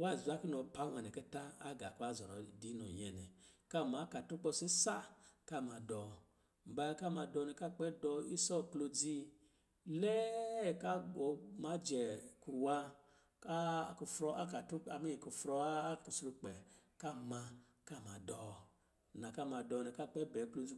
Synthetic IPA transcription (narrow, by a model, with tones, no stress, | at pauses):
wa˦˨za˦ki˦nɔ˨˧˨pa˨˦wʷɛ˨nɛ˨kɛ˦ta˦a˦ɡa˨ka˦˨zɔ˨ɾɔ̰˨di˨˦nɔ˨jɛ˨nɛ̰˨ka˦˨ma˨˦ka˨tu˦k͡pɔ˧˨si˦sa˦ka˦˨ma˧dɔ˨ | m̩˨ba˧˦ka˦˨ma˧dɔ˧nɛ˧ka˦˨k͡pɛ˦dɔ˧i˦sɔ˦˨klo˧d͡zi˧ | lɛ˦˨ka˦ɡɔ˨ma˨˦d͡ʒɛ˨ku˨wa˧ | a˦˨ku˧fɾɔ˧a˦ka˨tu˦a˧mi˦i˨ku˨fɾɔ˧˦ku˨sɾu˧k͡pɛ˨ | ka˦˨ma˧ | ka˦˨ma˨dɔ˨ | na˨ka˦˨ma˧dɔ˧˨nɛ˧˨ka˦˨k͡pɛ˦bɛ˨˦klo˧d͡zi˧